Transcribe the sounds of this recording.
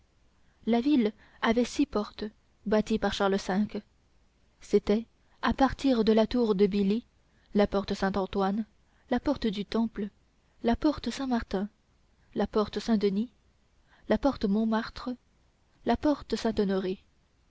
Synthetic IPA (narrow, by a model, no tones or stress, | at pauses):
lavil | avɛsipɔʁt̪ | bat̪ipaʁʃaʁləsɛ̃k | set̪ɛ | apaʁt̪iʁd̪əlat̪uʁd̪əbili | lapɔʁt̪əsɛ̃t̪ɑ̃t̪wan | lapɔʁt̪əd̪yt̪ɑ̃plə | lapɔʁt̪əsɛ̃maʁt̪ɛ̃ | lapɔʁt̪əsɛ̃d̪əni | lapɔʁt̪əmɔ̃maʁt̪χə | lapɔʁt̪əsɛ̃t̪ɔnɔʁe